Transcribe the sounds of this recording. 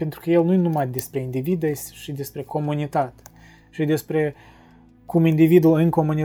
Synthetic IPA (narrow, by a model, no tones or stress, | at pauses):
pent̪ɾukəje̞lnujenumad̪e̞spɾe̞ind̪ivid̪esʲʃid̪e̞spɾe̞ko̞munit̪at̪ʲ | ʃid̪e̞spɾe̞ | kumind̪ivid̪ulɨnko̞muni